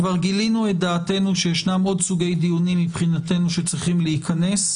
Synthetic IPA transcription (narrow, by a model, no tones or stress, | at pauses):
vaʁɡilinuet̚d̪aːte̞nuʃejeʃnamo̞dsuɡe̞jd̪ijunimːipχinate̞nuʃe̞t͡sʁiχimleikʰane̞s